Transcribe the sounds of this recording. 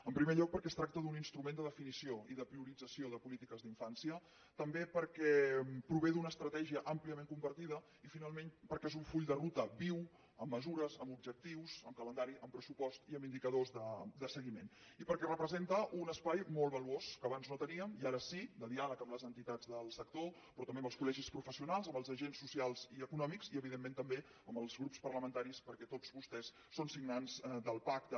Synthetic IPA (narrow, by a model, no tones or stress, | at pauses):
əmpɾimeʎɔk̚pəɾkɛst̪ɾak̚t̪əðuninst̪ɾumend̪əðəfinisioiðəpɾiuɾid͡zəsioðəpulit̪ikəzðiɱfansiə | t̪əmbepəɾkɛpɾuβ̞eðunəːst̪ɾət̪ɛʒiəʔəmpliəmeŋkumbəɾt̪iðə | ifinalˠmenpəɾkɛezuɱfuʎd̪ərut̪əβiw | əmːəzuɾəzəmubʒək̚t̪iwzəmkələnd̪aɾiʔəmpɾəsupɔst̪iəmind̪ikəðozðəd̪əsəɣimenipəɾkɛrəpɾəzent̪əʔunəspajmolˠβəluoskəβ̞anznot̪əniəmiaɾəsid̪əðialəkəmləzənt̪it̪ad͡zðəlˠsək̚t̪o | pɾɔt̪əmbeəmbəlskulɛʒispɾufəsiunalˠzəmbəlˠzəʒensːusialˠziəkunɔmikziəβiðemːẽnt̪əmbe | əmbəlˠzɣɾupspərləmənt̪aɾispəɾkɛt̪ozβust̪ɛsːonsiɡnanzd̪əlˠpak̚t̪ə